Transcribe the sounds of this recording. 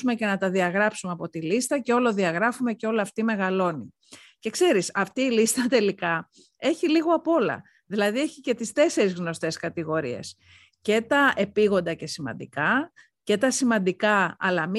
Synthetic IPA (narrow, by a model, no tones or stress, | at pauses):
ume̞ce̞nɐt̪ɐðiɐɣɾɐpsumeɐpo̞t̪ilist̪ɐce̞o̞lo̞ðiɐɣɾɐfume̞ceo̞liɐft̪ime̞ɣɐlo̞ni | ce̞kse̞ɾisɐft̪iːlist̪ɐt̪e̞likɐ | e̞çiliɣo̞ɐpo̞lɐ̰ | ðilɐðie̞çice̞t̪ist̪e̞se̞ɾizɣno̞st̪e̞skɐt̪iɣo̞ɾie̞̰s | ce̞t̪ɐʔe̞piɣo̞nd̪ɐce̞simɐ̰nd̪ḭkɐ | ce̞t̪ɐsimɐnd̪ikɐɐ̰lɐm